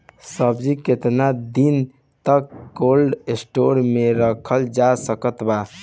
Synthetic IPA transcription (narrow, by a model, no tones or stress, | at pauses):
səbd͡ʒiket̪nad̪in | t̪əkːolɖesʈoɾmeɾəkʰəld͡ʒasəkət̪ba